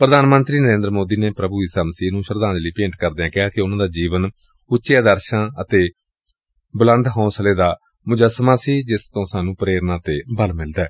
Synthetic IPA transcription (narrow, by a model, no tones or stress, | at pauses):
pɾəd̪aːnmə̃nt̪ɾiːnəɾẽːnd̪ɾmoːd̪iːneːpɾəbuːiːsaːməsiːnũːʃəɾd̪ãːnd͡ʒliːpẽːɳʈkəɾd̪eːãːkɪɦaːkɪʊnãːd̪aːd͡ʒiːʋən | ʊːt͡ʃeaːd̪əɾʃãːət̪eː | blə̃nd̪ɦɔ̃ːsəleːd̪aː | mʊd͡ʒəsmaːsiːd͡ʒɪst̪õːsaːnũːpɾeːɾnãːt̪eːbəlmɪld̪aɛː